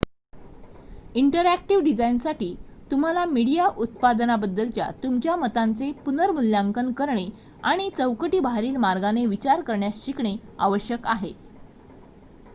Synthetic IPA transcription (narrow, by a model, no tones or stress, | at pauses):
iɳʈəɾæk̚ʈiʋɖid͡zainsaʈiːt̪um̤alamiɽijaʔut̪̚pad̪nabəd̪ːəlt͡ɕja̰t̪umt͡ɕjamət̪ant͡sepunəɾmuljaŋkənkəɾɳe | aɽ̃it͡səwkəʈiːbaɦɾiːlmaɾɡaneʋit͡ɕaɾkəɾɳjasɕikɳea̰ʋəɕjəkaɦe